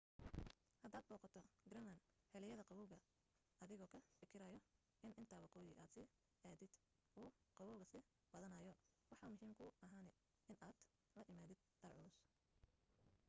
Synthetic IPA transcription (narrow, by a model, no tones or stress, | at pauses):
hɐd̪aːd̪̚bɔːqɑt̪ʰɔɡɾɐnɐn | hɛlɛjɐðɐqɑwɔːwɣɐ | ɐðɪɣɔːkʰɐfɪkʰɪɾɐjɔ | ʔɪnʔɪnt̪ʰaːwɑqɔːjɪʔaːd̪sɪ | aːðɪd̪̥ | uːqɑwɔːwɣɐsɪ | b̥ɐðɐnɐjɔwɑħɑmʊɦiːmkʰʊɐɦaːnɛ | ɪnʔaːd̪̥ | lɐʔɪmaːðɪd̪̥̚d̪̥ɐrʕʊlʊs